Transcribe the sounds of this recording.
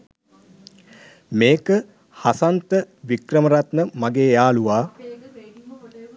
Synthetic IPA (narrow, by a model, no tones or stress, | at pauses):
meːkə | hasant̪ə | ʋikrəməɾat̪nəmaɡeːjaːluʋaː